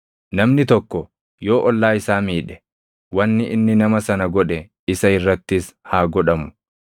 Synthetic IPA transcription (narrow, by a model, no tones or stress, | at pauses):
nɐmnɪt̪ɔkːɔ | jo̞ːʔɔlːaːɪsaːmiːᶑɛ̥ | wɐnːɪʔɪnːɪnɐmɐsɐnɐɡɔᶑɛ | ɪsɐɪrːɐt̪ːɪs | haːɡɔᶑɐmʊ̥